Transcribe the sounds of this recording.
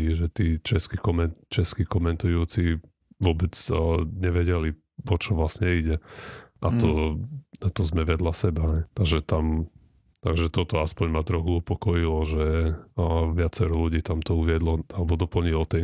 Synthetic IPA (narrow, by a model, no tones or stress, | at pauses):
iʒɛt̪iːt͡ʃɛskikɔmɛt͡ʃɛskikɔmɛnt̪ujuːt͡si | ʋʊɔbɛd͡zɲɛʋɛɟɛli | ʋɔt͡ʃɔʋlasɲɛiɟɛʔat̪ɔ | at̪ɔzmɛʋɛd̪lasɛbaɦɛjt̪aɡʒɛt̪am | t̪aɡʒɛt̪ɔt̪ɔaspɔɲmat̪ɾɔxuupɔkɔjilɔʒɛ | ʋɪat͡sɛɾuluɟiːt̪amt̪ɔuʋɪɛd̪lɔalɛbɔd̪ɔpl̩ɲilɔt̪ɛ